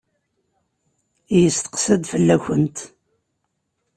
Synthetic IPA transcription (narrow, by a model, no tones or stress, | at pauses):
jəst̪ə̥qsəd̪fəlːæçənt̪